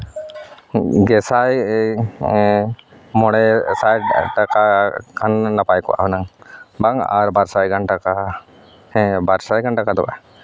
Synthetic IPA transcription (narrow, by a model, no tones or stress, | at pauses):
ɡɛsaj | mɔɽɛsajʈakakʰanːapajkɔwʔa̰hunaŋbaŋa̰ɾbaɾsajɡanʈaka | ɛbaɾsajɡaɳʈakad̪ɔwa̰